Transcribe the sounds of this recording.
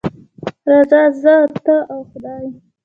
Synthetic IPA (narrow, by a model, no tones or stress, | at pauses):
ɾɑzɑzət̪əʔawxʊd̪ɑːj